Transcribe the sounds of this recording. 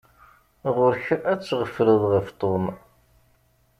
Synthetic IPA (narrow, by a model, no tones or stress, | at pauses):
ʁʊɾçæt͡sːʁəfɾəðˤʁəft̪ˤon